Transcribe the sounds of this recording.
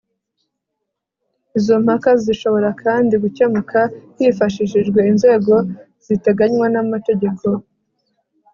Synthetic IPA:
izo̞m̥hakaziʃo̞βo̞ɾakʰaːndiɡucemakʰahifaʃiʃiʒɡwe̞inze̞ːɡo̞ | z̥ite̞ɡaɲwanamate̞ɟe̞kʰo̞

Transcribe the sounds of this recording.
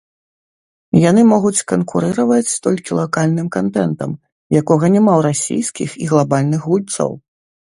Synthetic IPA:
jan̪ɨmɔɣut͡sʲkɐnkuɾɨɾɐvɐt͡sʲst̪ɔlʲkʲilˠakalʲnɨmkant̪ɛnt̪ɐ̰m | jakɔɣɐnʲɛmawɾasʲḭjskʲḭxiɣlˠabalʲnɨxɣulʲt̪sɐ̰w

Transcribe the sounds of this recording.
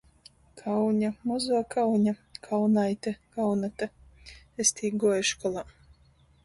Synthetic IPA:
kʰawɲamɔzuɔkʰawɲakʰawnajt̪ʲɛkawnat̪a | est̪ʰiːɡɔɔjʃkɔlˠa

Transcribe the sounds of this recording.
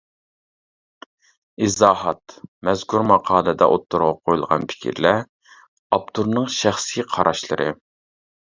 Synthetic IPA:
izɑːɦɑt̪mɛzkʰuɾmɑqʰɑːlˠɨd̪ɛ̰ʔot̪ʰːuɾʁɑqʰojulˠʁɑ̰npʰɪ̥kʲʰḭɾlæ | ɑp̚t̪ʰuɾnɨŋʃæχsijqʰɑɾʔɑʃlˠɨ̰ɾʔɨ̰

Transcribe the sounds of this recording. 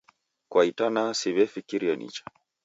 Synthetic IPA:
kwaitanasiβɛfikiɾianʔḭt͡ʃḁ

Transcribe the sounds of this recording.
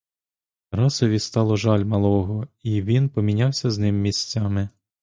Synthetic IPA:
ɾɑsɔʋʲist̪ɑlˠɔʒɑlʲmɐlˠɔɦɔiʋʲinpɔmʲinʲawsʲɐznɪmːʲisʲt͡sʲamɪ

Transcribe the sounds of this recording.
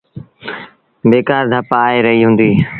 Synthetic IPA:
beːkaːɾd̪ʱəpaːeɾəɦiɦũːnd̪iː

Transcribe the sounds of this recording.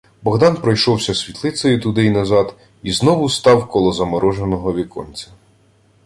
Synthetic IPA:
bɔɦd̪ɑnpɾɔjʃɔwsʲɐsʲʋʲit̪lˠɪt̪sɔjʊt̪ʊd̪ɪjnɐzɑd̪ | iznɔʋʊst̪ɑwkɔlˠɔzɐmɔɾɔʒenɔɦɔʋʲikɔ̰nʲt͡sʲɐ

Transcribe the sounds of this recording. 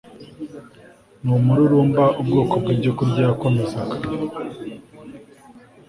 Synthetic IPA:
numuɾuɾuːmbaʔubɡoːkobɡiːɾɟokuɾɟako̞mezakḁ

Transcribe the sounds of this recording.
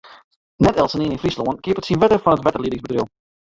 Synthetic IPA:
nɛtɛlˠsəneːnɪnfrisloənkɪːpətsinʋɛtəfɑnətʋɛtərlidɪŋzbətrilˠ

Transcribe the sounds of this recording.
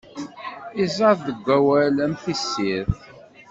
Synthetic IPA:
izˤɑððəɡʷːæwæləmθisːiɾ

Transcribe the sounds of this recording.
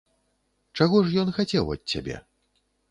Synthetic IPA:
t͡ʂaɣɔʂjɔnxat͡sʲɛwɐ̰t̪̚ʲt͡sʲːa̰bʲɛ̰

